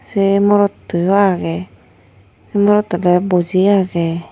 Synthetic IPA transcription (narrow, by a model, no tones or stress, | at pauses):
sɛmɔɾɔtːujɔaɡɛ | ɛmɔɾɔtɔlɛbɔziaɡɛ